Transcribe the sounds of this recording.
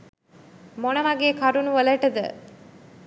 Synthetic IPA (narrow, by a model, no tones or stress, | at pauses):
monɐmɐɡeːkʰɐɾunuʋələʈɐd̪ə̰